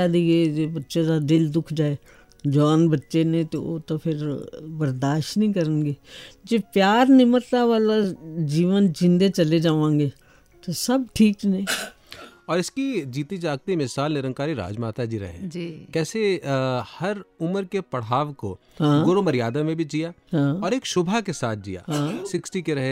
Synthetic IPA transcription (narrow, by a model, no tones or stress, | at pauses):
aːd̪iɡeːd͡ʒeːbətːʃed̪ad̪ɪld̪ʊkʰd͡ʒaːeː | d͡ʒaːnbətːʃenẽt̪oo̰ːt̪opʰɪɾbəɾd̪aːʃtnĩːkəɾənɡeːd͡ʒeːpjaːɾnɪmət̪ːaʋaːlad͡ʒiːʋənd͡ʒɪ̃nd̪et͡ʃəled͡ʒaːʋãːŋɡeː | t̪osɐb̚ʈʰiːknĩː | ɔːɾɪskid͡ʒiːt̪id͡ʒaːɡ̚t̪imɪsaːlnɪɾə̃ŋkaːɾiɾa̰ːd͡ʒmaːt̪ad͡ʒiɾɐ̰ɦḛd͡ʒiːkɛːsehɐɾʊməɾkepɐɽ̤aːʋko̰ | ɦãːɡʊɾomɐɾijaːd̪amẽbʱid͡ʒijaːɦãːɔːɾeːkʃʊbʱakesaːt̪̚ʰd͡ʒḭja̰ːɦãːsɪksʈikeɾɐɦe